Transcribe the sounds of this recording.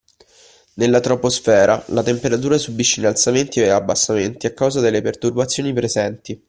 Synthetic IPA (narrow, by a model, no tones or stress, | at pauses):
nelːat̪ɾoposfɛːɾʔalat̪empeɾat̪̬uːɾasubːiʃːeinalsament̪ieabːasːament̪iakːawzad̪elːepert̪urbat̪sːjoːnipɾezɛnt̪i